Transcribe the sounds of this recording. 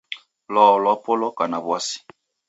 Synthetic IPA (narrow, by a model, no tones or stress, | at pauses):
lɔlɔpolɔkanabwasi̥